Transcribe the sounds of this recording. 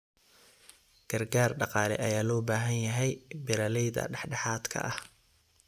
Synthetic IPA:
ɡ̥ɐrɡaːrɖɑqɑːlɛ̰ʔɐjaːlɔːbaːɦɐnjɐɦɛjbɪɾɐlɛjðɐ̰ɖɑħɖɑħaːd̪kʰɐ̰ʔɐh

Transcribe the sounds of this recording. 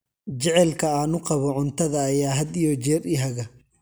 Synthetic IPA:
t͡ʃɛʕɛlkʰɐaːnʊqɑβɔʕʊnt̪ʰɐðɐːjaːɦɐd̪ijɔt͡ʃɛːriɦɐɣɐ

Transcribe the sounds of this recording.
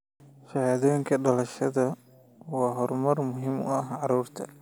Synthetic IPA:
ʃɐhaːðɔjŋkʰɐɖɐlɐʃɐðɐ | wɑːɦɔrmɐrmʊɦɪmʊ̰ɐɦʕɑɾuːrt̪ʰɐ̰

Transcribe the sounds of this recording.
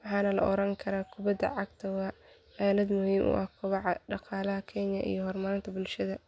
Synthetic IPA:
wɑħɑːnɐlɐ̰ʔɔɾɐŋkʰɐɾaːkʰʊbɐd̪ɐ̰ʕɑɡ̚t̪ʰɐwɑ | aːlɐd̪mʊhiːmʔʊ̰ʔɐhkʰʊβɑʕɑɖɑqɑːlɐɦɐkʰɛnjɐ̰ʔḭjɔɦɔrmɐɾɪnt̪ʰɐbʊlʃɐðɐ

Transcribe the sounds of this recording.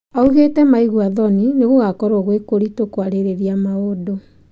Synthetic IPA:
auɣetɛmaiɣwaðɔnineɣoɣakɔɾoɣwekoɾitokwaɾeɾeɾiamaodo

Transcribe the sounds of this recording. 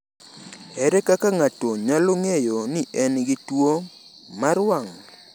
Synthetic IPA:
ɛɾɛkakaŋatɔɲaloŋejoniʔɛnɡɪtwo | maɾwaŋ

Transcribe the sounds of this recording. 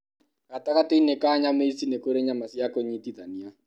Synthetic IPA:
kataɣateinekaɲameisinekoɾeɲamasjakoɲitiðania

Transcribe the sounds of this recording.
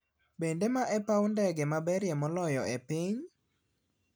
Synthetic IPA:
bendemaʔɛpawndɛɡɛmabɛɾjɛmɔlɔjɔepiɲ

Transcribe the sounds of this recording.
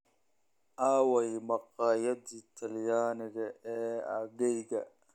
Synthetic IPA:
ʔaːwɛjmɐqɑːjɐdiːt̪ʰɐljaːnɪɣɐʔɛːɐɣɛjɣɐ̰

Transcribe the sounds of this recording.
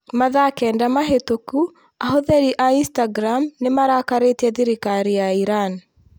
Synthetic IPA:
maðakɛːndamaɦetoku | aɦoðɛɾiʔainstaɡɾamnemaɾakaɾetɛðiɾikaɾijaiɾan

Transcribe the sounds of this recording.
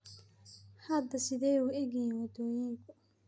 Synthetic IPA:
hɐd̪ɐsɪðɛjuɛɣinwɐd̪ɔːjiŋkʰʊ

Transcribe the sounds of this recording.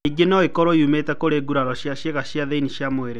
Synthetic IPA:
iɡenɔekɔɾɔiumetɛkoɾeːɡuɾaɾɔɕjaʃjeɣaɕjaðeiniɕjamoeɾe

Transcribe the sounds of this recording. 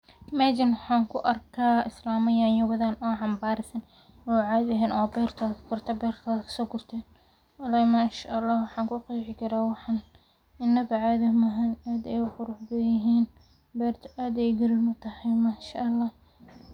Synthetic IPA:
maːd͡ʒɐnwħɑːŋkʰʊʔɐrkʰaːɪslaːmɐjaːnjʊwɐðaːnɔːʕɑmbaːɾɪsɐn | ʊwʕɑd̪ɐɦɛːnʔɔːbɛːrt̪ʰɐːðkʰɐ̥kʰʊrt̪ʰɐbɛːrt̪ʰɐðkʰɐ̥sɔːkʰʊrt̪ʰɛːn | ɐlɐmaːʃaʔɑlːɑːhwɑħɑːŋkʰʊːqɑjʕɪkʰɐɾaːwɑħɑn | ɪnːɐbɐʕaðɐmɐɦɐnaːd̪ɛjʊqʊɾʊħbɐjɪɦiːn | bɛːrt̪ʰɐ̥ʔaːd̪ɛjɡɐɾɪlmʊt̪ʰɐhɐjmaːʃaʔɐlːɑːh

